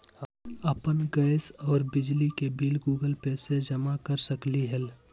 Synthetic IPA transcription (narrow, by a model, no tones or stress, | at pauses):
əpənɡəɪsɔːɾbɪd͡ʒlikebiːlɡuːɡəlpɛːsed͡ʒɐmakəɾsəkliɦɛl